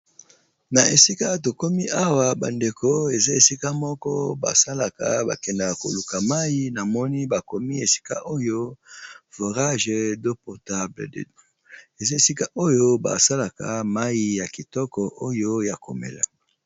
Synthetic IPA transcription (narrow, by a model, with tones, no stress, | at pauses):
na˨e˨si˦ka˦to˨ko˦mi˦a˦wa˨ba̰˨nde˨ko˦e˨za˦e˨si˦ka˦mɔ˦kɔ˦ba̰˨sa˦la˨ka̰˨ba̰˨kɛ˨nda˨ko̰˨lu˨ka˨ma˦ji˦na˨mɔ˦ni˦ba˨ko˦mi˦e˨si̥˦ka˦ʔo˦jo˦vo˨ʁa˦ʒdo˦pɔ˨ta˦bld | e˨za˦e˨si˦ka˦ʔo˦jo˦ba̰˨sa˦la˨ka̰˨ma˦ji˦ja˨ki˨tɔ˦kɔ˨ʔo˦jo˦ja˨ko̰˨mḛ˨la̰˨